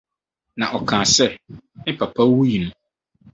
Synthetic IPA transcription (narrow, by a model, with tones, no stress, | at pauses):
nã˨ʔɔ˨kʰãː˨sɛ˦nɪ˦pʰa˨pʰa˦wu˦ji˨nũ˦